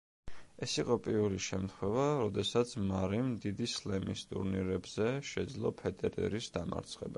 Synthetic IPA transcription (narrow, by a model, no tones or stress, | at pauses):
ɛsiqʼɔpʼiɾuliʃɛmt̪ʰχwɛvaɾɔd̪ɛsat̪sʰmaɾimd̪id̪islɛmist̪ʼṵɾniɾɛbzɛʃɛd̪zlˠɔpʰɛd̪ʼɛɾɛ̰ɾisd̪ama̰ɾt̪sʰχɛba